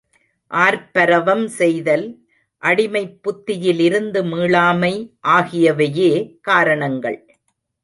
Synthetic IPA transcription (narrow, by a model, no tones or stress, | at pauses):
ʔaːɾpɐɾɐʋɐmsɛjðɐl | ʔɐɽɪmɐɪpːʊt̪ːɪjɪlɪɾɯnd̪ɯmiːɭaːmɐɪʔaːɣɪjɐʋɐjeːkaːɾɐɳɐŋɡɐ̰ɭ